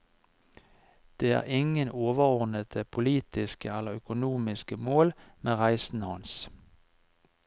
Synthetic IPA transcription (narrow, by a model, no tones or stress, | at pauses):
d̪̥eːæ̰ːʁɪŋənoːʋəʁɔʁnət̪əpʰʊliːt̪ɪskəɛləʁœkʊnuːmɪskəmoːlmeːʁæɪsn̩hɑns